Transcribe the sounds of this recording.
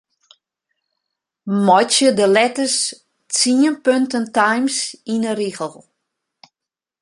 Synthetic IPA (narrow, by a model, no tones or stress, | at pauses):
mɔjt͡ʃjədəlɛtəs | t͡siənpøntəntajmsinəɾiɣəlˠ